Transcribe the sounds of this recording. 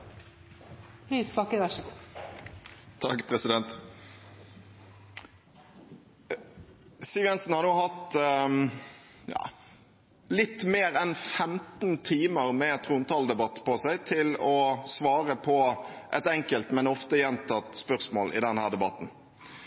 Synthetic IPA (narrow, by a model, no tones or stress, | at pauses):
hyspɑkənɑʃ | t̪ʰɑkpʰɾɛsɪd̪ɛnt̪ | siːʋɛnsn̩hɑʁnuːhɑt̪ | jɑ̰ː | lɪt̪ːmeːɾɛnfɛmt̪nt̪ʰiːməʁmɛt̪ʰɾʊnt̪ɑld̪ɛbɑt̪ːpʰɔsæɪt̪ʰɪlɔsʋɑːʁəpʰɔʔɛt̪ɛŋkəlt̪mɛnɔft̪əjɛnt̪ʰɑt̪spœʁsmoːlʔɪ̰d̪ɛnhæːʁd̪ɛbɑt̪n̩